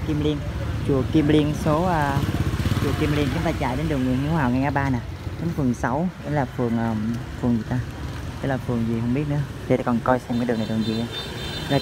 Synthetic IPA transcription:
ki˧mli˧ənt͡ɕu˨˩əki˧mli˧ənso˨˦ʔəː˧ | t͡ɕu˨˩əki˧mli˧ənt͡ɕʊ˨˦ŋ͡mt̪aː˧t͡ɕa̰ː˧˨˩jɗe˨˦nɗɨ˨˩əŋɨ˨˩ənhi˧˦waː˨˩wŋa˨˩jʔaː˨˦ɓaː˧naː˨˩ | kə˨˦nfɨ˨˩əŋsa˨˦wɗe˨˦laː˨˩fɨ˨˩əŋʔəː˨˩m | fɨ˨˩əŋɨ˨˩ət̪aː˧ | e˨˦jlaː˨˩fɨ˨˩əŋzi˨˩ɦə˧wŋ͡mɓi˦˥ət̚nɨ˧˨˦ət̪ʰi˨˩˨kɔ˨˩nkɔ˧jsɛ˧mkaː˧˨˦jɗŋna˨˩kɔ˨˩nzi˨˩a˧ | za˨˩

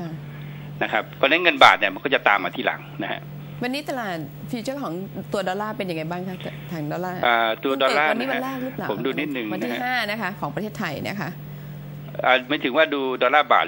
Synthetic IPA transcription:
kʰa˥˩ | na˦˥kʰa˦˥p̚kʰɔː˧nːa˦˥ŋɤ˧nba̰ː˨˩t̪̚ni˧˩ma˧nkɔː˥˩t͡ɕa˨˩t̪aː˧mːa̰ː˧t̪ʰiː˥˩la̰˩˦ŋna˦˥kʰa̰˦˧˥ʔ | wa˧nːiː˦˥t̪a˧laː˨˩t̪̚fiː˧t͡ɕɤː˥˩kʰɔː˩˦ŋt̪u˧ɐdɔː˧laː˥˩pe˧nja˧ŋa˧jbaː˥˩ŋkʰa˦˥˩aː˧˩ŋdɔː˧laː˥˩ʔaː˨˩t̪u˧ɐ˧dɔː˧laː˥˧ni˦˧˥a˧laː˥˩k̚ɾɯ˦˥plːpʰo˩˦mduː˧ni˦˥t̪̚nɯ˨˩ŋa˧na˦˥ia˦˥haː˥˩na˦˥kʰa˦˥kʰɔː˩˦ŋpɾtʰe˥˩t̪ʰa˧jn̰˥˦˥kʰa˦˥ʔ | ʔaː˨˩maː˩˦˥t̪ʰɯ˨˩˦ŋwaː˥˩duː˧dɔː˧laː˥˩ba̰ː˨˩

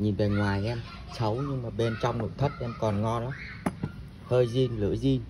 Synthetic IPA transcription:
ɲi˨˩nve˨˩ŋwaː˨˩jʔɛ˧m | sə˨˦wɲɨ˧ŋmaː˨˩ɓe˧nt͡ɕɔ˧wŋ͡mno̰˧˨jt̪ʰə˦˥t̚ʔɛ˧mkɔ˨˩nŋɔ˧nla˨˦ | həː˧jzi˧nlɨ̰˧˥əzi˧n

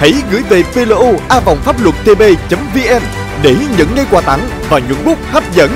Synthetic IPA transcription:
hə̰˧˥jɣɨ̰˧˥əjve˨˩pe˧lo˧ʔo˧ʔaː˧va˨˩wŋ͡mfaː˦˥p̚lwə˨˩t̚t̪e˧ɓe˧t͡ɕə˨˦mvi˧ʔɛ˧m | ɗe˧˩ɲə̰˧˨nŋə˧jkwaː˧˩t̪a̰˧˩ŋ | vaː˨˩ɲwə̰˧˨nɓʊ˦˥k͡p̚haː˦˥p̚zə̰˧˥n

